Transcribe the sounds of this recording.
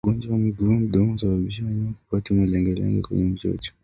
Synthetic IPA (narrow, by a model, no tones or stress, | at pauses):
uɡɔnd͡ʒawamiɡum̩ɗɔŋusaɓaɓiʃaaɲimku̥patimɛlɛŋɡɛla̰ŋɡḭkwɛ̰ɲɛm̩t͡ʃɔ̰tɔ̥